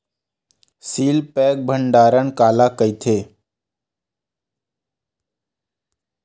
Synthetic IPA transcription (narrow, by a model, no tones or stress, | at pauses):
siːlpɛːk̚bʱəɳɖaːɾəɳkaːlaːkəit̪ʰeː